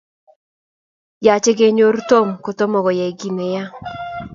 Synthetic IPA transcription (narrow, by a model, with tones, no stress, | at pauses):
ja˨t͡ʃe˦ɡe˦ɲo˦ɾto˦˨mko˨to˦mɔ˨ɡɔ˨ja˨i˨ɡi˨ne˨ja˦